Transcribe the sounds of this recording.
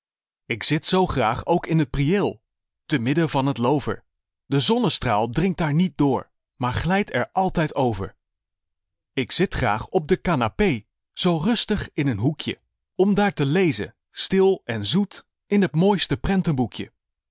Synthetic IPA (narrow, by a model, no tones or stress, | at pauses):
ɪksɪtsowχraːχowkɪnɦət̚prielˠ | təmɪdəvɑnɦətlowvə̰ɹ | dəzɔnəstraːlˠdrɪŋk̚daːɹnit̚dʊːɹ | maːɹχlɛjtɛ̰ɹʔɑlˠtɛjtowvə̰ɹ | ɪksɪtχra̰ːχɔb̚dəkaːnapej | z̥owrɵstəχɪnənɦukjə̰ | ɔmdaːɹtəlejzə̰ | stɪlˠɛnzut | ɪnɦətmoːjstəprɛntənbukjə̰